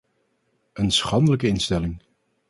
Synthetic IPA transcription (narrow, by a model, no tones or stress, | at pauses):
ənsχɑndələkəɪnstɛlɪŋ